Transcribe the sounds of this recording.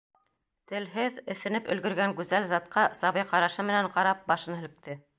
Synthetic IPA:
t̪ɘ̆lɦɘðɘ̆θɘ̆nɘpɵ̆lɡɵ̆ɾɡæŋɡʉzælzɑt̪̚qɑsɑβɤjqɑɾɑʃɤmɘ̆næɴqɑɾɑp̚bɑʃɤnhɘ̆lɘ̆k̚t̪ɘ

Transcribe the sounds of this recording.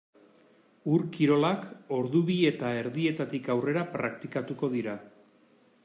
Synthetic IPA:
uɾkiɾo̞lako̞ɾðuβie̞t̪ae̞ɾðie̞t̪at̪ikawre̞ɾapɾa̰kt̪ikat̪uko̞ð̞iɾa

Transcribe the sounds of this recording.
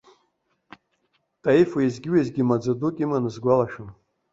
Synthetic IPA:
tʼaifuizɡʲiwezɡʲimad͡zadukʲʼimanɨzɡʷalaʃᶣam

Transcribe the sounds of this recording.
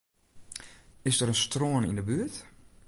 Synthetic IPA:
ɪsdəɾənstroənḭndəbyət

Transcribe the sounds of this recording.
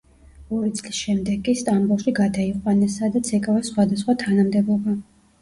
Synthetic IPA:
ɔɾit̪sʼlisʃɛmd̪ɛɡʼːist̪ʼambulˠʃiɡad̪aiqʼwanɛsad̪at̪sʰɛkʼavasχwad̪asχwat̪ʰanamd̪ɛbɔba

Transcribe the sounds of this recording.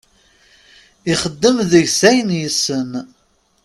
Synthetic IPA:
iχəd̪ːəmðəʝsæjənjəsən

